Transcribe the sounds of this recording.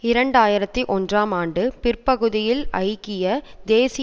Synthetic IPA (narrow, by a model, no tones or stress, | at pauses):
ɪɾɐɳɖaːjɪɾɐt̪ːiʔɔndraːmaːɳɖɯpɪrpɐɣɯðɪjɪlɐ̰ɪkːɪjɐd̪eːsɪ